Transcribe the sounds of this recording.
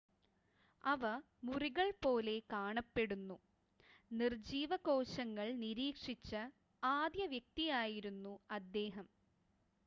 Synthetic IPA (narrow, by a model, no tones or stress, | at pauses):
ɐʋɐ | muriɣɐɭpo̞ːle̞kaːɳɐpːe̞ɽunːu | nird͡ʑiːʋɐko̞ːɕɐŋːɐɭniɾiːkʂit͡ɕːɐ | aːd̪jɐʋjɐk̚t̪ijaːjiɾunːuɐd̪ːe̞ːɦɐm